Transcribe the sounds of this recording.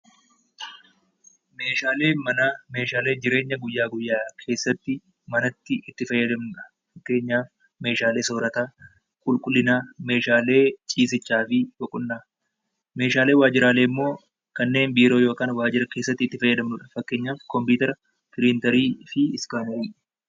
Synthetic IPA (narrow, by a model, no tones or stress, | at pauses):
me̞ːʃaːle̞ːmɐname̞ːʃaːle̞ːd͡ʒɪɾe̞ːɲːɐɡʊjːaːɡʊjːaːkʰe̞ːsːɐt̪ːɪ | mɐnɐt̪ːɪɪt̪ːɪfɐjːɐd̪ɐmnʊᶑɐ̥ | fɐkːe̞ːɲːaːf | me̞ːʃaːle̞ːso̞ːɾɐt̪aː | kʼʊlkʼʊlːɪnaːme̞ːʃaːle̞ːt͡ʃʼiːs̬ɪt͡ʃːaːfɪwɔkʼʊnːaː | me̞ːʃaːle̞ːwaːd͡ʒɪɾaːlemːo̞ː | kɐnːe̞ːnbiːɾoːjo̞ːkaːnwaːd͡ʒɪɾɐke̞ːsːɐt̪ːɪt̪ːɪfɐjːɐd̪ɐmnʊᶑɐ̥fɐkːe̞ːɲːaːfkɔmpuːt̪ɛɾɐ | t̪ɪlɪnt̪ɐɾiːfɪɪskaːmɐʔɪːᶑɐ̥